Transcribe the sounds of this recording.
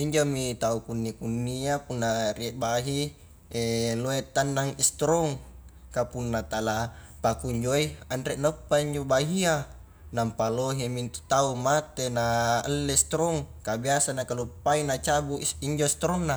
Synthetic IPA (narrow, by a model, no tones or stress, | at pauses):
iɲd͡ʒomit̪aukunːikunːiapunːaɾieʔbaɦi | eloet̪anːaŋist̪ɾoŋkapunːat̪ala | pakuɲd͡ʒoiandɾɛʔnəpːaiɲd͡ʒobaɦia | nampaloɦemint̪u̥t̪aumat̪enalːest̪ɾoŋkabiasanakalopːainat͡ʃabuiɲd͡ʒost̪ɾoŋːa